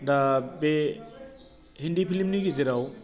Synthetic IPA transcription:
dabe | hindipʰilimniɡiziɾaw

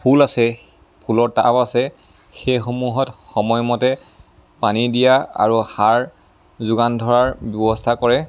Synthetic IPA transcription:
pʰulasɛ | pʰulɔɹta̰pasɛ | xejxomuɦɔtxɔmɔjmɔtɛ | panidijaa̰ɹuxaɹ | zʊɡandʱɔɹaɹbjɔbɔstʰakɔɹɛ

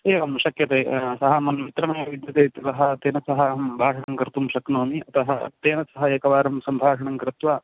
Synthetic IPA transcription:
eːʋɐmʃɐkjɐt̪eːsɐɦɐmɐnmit̪ɾɐmɐjɐʋid̪jɐt̪eːt̪ɐt̪ɐɦɐt̪eːnɐsɐɦɐbʱaːʂɐɳɐŋkɾɪt̪umʃɐknoːmiɐt̪ɐɦɐ̰t̪eːnɐsɐɦɐeːkɐʋaːɾɐmsɐmbʱaːʂɐɳɐŋkɾɪt̪ʋaː

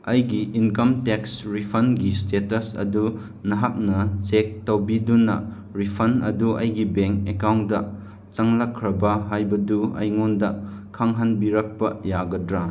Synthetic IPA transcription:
ɐjɡiʔːnkɐmteksɾipʰɐnɡistetɐsɐ̰du | nɐɦak̚nɐsek̚tɐwbidunɐ̰ | ɾipʰɐnɐ̰duʔɐjɡibeŋkekawndɐ | t͡ʃɐŋlɐkʰːɾɐbɐɦajbɐduɐ̰jŋondɐkʰaŋɦɐnbiɾɐk̚pɐjaɡɐdɾa

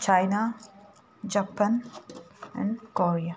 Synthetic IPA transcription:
t͡ʃajna | d͡ʒapə̃n | ɛ̰̃ɳɖkoɾia

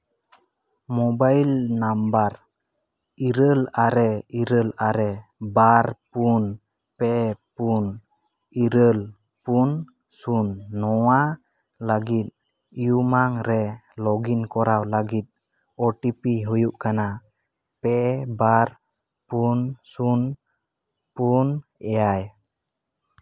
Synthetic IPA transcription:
mɔbajlnambaɾ | iɾəlaɾɛiɾəlaɾɛbaɾpun | pɛpun | iɾəl | pun | sunːɔwa | ləɡit̪̚ | ijumaŋɾɛlɔɡinkɔɾawləɡit̪̚ | ɔʈipiɦujuʔkana | pɛbaɾ | punsun | punɛjaj

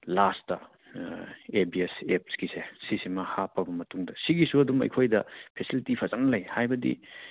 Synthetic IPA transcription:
lastɐ̰ | ebiesep̚skisesisimɐhapːɐbɐmɐtuŋdɐsiɡisuɐdumɐ̰jkʰojdɐpʰesilitipʰɐzaŋlɐjhajbɐdḭ

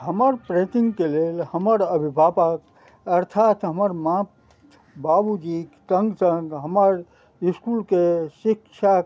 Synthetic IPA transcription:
ɦəməɾpɾẽt̪ĩŋɡkelelhəməɾəbʱibʱapək | əɾt̪ʰat̪ɦəməɾmãp̪ | babud͡ʒikt̪əŋɡsə̃ŋɡɦəməɾ | iskulkesikt͡ʃʰa

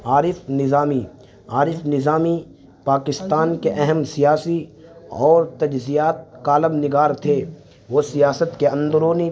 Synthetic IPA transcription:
aːɾɪfnɪzaːmi | aːɾɪfnɪzaːmi | paːkɪst̪aːnkeʔɛɦɛmsijaːsiɔːɾt̪ɐd͡ʒzijaːt̪̚kaːləbnɪɡaːɾt̪ʰe | ʋoːsijaːsət̪keɐ̃nd̪əɾoːni

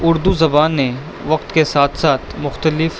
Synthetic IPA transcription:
ʊɾd̪uzɐbaːnːe | ʋɐqt̪kesaːt̪ʰsaːt̪ʰmʊxt̪əlɪf

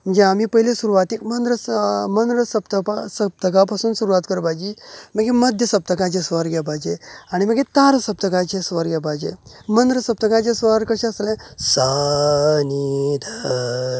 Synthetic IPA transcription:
m̤ənd͡zeamipəɦilesuɾuʋat̪ikmənɾəmənɾəsəb̚t̪əpasəp̚t̪əkap̬asuːnsuɾuʋat̪kəɾbad͡ʑiːməɡeməd̪ʱjəsəp̚t̪əkãt͡ɕesʋəɾɡɛbad͡ʑeaɽ̃iməɡet̪aɾsəp̚t̪əkat͡ɕesʋəɾɡɛbad͡ʑḛmənd̪ɾəsəp̚t̪əkãt͡ɕesʋəɾkəɕẽəslẽsa | nid̪a

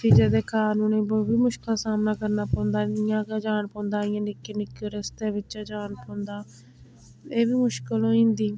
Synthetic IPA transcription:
t̪iːd͡ʒeːd̪eːkaːnuːnẽːboːbiːmʊʃkaːsaːmnaːkəɾnaːpɔ̃ːnd̪aːɪjãːkaːd͡ʒaːnpɔ̃ːnd̪aːɪ̃jãːnɪkːeːnɪkːeɾəst̪eːʋɪt͡ʃːd͡ʒaːnpõːnd̪aː | eːʋiːmʊʃkəlɦõːĩːnd̪iː

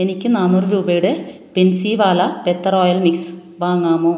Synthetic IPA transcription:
enikʲːɨnaːnːurɨɾuːbɐjuɽɨ | pensiːʋaːlɐpet̪ːɐro̞ːjɐlmiks | ʋaːŋːaːmoː

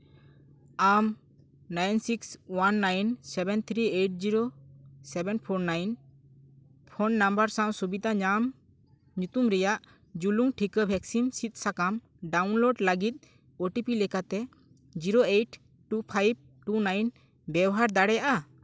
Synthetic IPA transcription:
am | najnsikswanːajnsɛbɛnt̪ʰɾieʈ̚d͡ʒiɾosɛbɛnpʰoɾnajn | pʰonːambəɾsãwsubid̪ʱaɲam | ɲut̪umɾɛjaʔ | d͡ʒuluŋʈʰikəbʱɛksimsit̪̚ˀsakam | ɖawnloɖləɡit̪̚ˀ | oʈipilɛkat̪ɛ | d͡ʒiɾoeʈ | ʈupʰajb̚ | ʈunajn | bɛwɔɦaɾd̪aɽɛjaʔa

